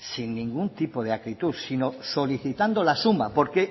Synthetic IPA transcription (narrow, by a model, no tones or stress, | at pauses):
sinːĩŋɡunt̪ipoðeakɾit̪usino̞so̞liθit̪and̪olasumapo̞ɾke